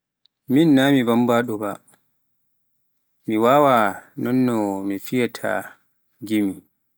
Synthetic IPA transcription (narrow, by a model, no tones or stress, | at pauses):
minːamibambaɗɔba | miwaːwanɔnːɔmifijɛtʰa̰ | ɡimi